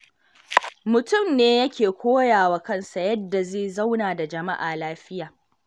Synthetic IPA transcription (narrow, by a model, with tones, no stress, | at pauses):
mʊ˨tʊ˦˨mneː˦jɐ˦kʲeː˨kʷoː˦jaː˨wa˦kɐ˦nsa˨jɐ˦dːa˨zeː˦˨zɐ˦wnaː˨da˨d͡ʒɐ˨ma˦ʔaː˨laː˦ɸɪ˦jaː˨